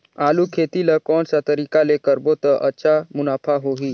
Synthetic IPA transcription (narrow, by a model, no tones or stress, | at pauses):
alukʰet̪iləkɔːnsat̪əɾiːkalekəɾbot̪əʔətːʃʰamunapʰaɦoɦiː